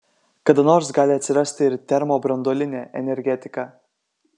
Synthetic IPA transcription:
kɐd̪ɐnoːɾsɡɑːlʲɪɐt̪ʲsʲɪɾɐsʲt̪ʲɪɪɾt̪ʲɛɾmoːbɾɐnd̪oːlʲɪnʲeːʔɛ̰nʲɛɾʲɡʲɛt̪ʲɪkɑː

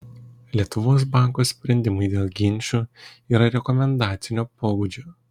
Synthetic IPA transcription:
lʲiɛt̪ʊʋoːs̬bɑˑŋkoːsʲpʲɾʲɛnʲd̪ʲɪmʊɪd̪ʲeːlˠɡʲɪnʲˑʃʲuː | iːɾɐɾʲɛkɔmʲɛnd̪ɑːt̪sʲɪnʲoːpoːbuːd͡ʒʲoː

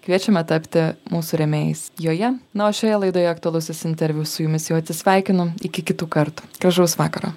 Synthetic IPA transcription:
kʋʲiɛt͡ʃʲɛmɐt̪ɐpʲt̪ʲɪmuːsʊɾʲɛmʲeːjɪsjoːjɛnɐoːʃʲoːjɛlˠɐɪd̪oːjɛɐkt̪ʊɐlˠʊsʲɪsɪnʲt̪ʲɛɾʲʋʲussʊjʊmʲɪsjɛʊɐt̪ʲsʲɪsʲʋʲɛˑɪkʲɪnʊɪkʲɪkʲɪt̪uːkɐɾt̪uːɡɾɐʒɐʊsʋɑ̰ːkɐɾoː

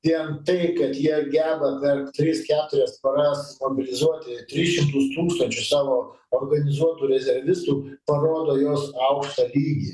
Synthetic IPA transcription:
t̪ʲiɛnt̪ɐɪkɐt̪jiɛɡʲæːbɐpʲɛrkt̪ʲɾʲiskʲæːt̪ʊɾʲɛst̪pɐɾɑstmoːbʲɪlʲɪzuɔt̪ʲɪt̪ʲɾʲɪsʃʲɪmt̪ʊst̪uːkst̪ɐnʲt͡ʃʲʊssɑːʋoː | oːrɡɐnʲɪzuɔt̪uːɾʲɛzʲɛɾʋʲɪst̪uːpɐɾoːd̪oːjoːsɐʊkʃt̪ɐlʲiːɡʲi

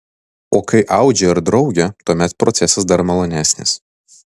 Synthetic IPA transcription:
oːkɐɪʔɑˑʊd͡ʒʲɛɪɾd̪ɾɒʊɡʲɛt̪uɔmʲɛt̪pɾɔt̪sʲɛsɐsd̪ɐɾmɐlˠoːnʲæːsʲnʲɪ̰s

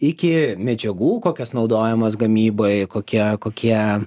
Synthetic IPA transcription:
ɪkʲɪmʲɛd͡ʒʲɛɡuːkoːkʲɛsnɒʊd̪oːjɛmɐsɡɐmʲiːboɪkoːkʲiɛkoːkʲiɛ

